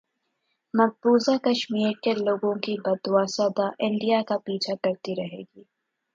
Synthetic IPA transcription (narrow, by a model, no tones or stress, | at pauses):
mɐɡ̚buːzakɐʃmiːɾkeloːɡõkibɐd̪ʊwaːsad̪aʔɪ̃ɳɖijakapiːt͡ʃʰakɐɾt̪iɾɐɦḛːɡiː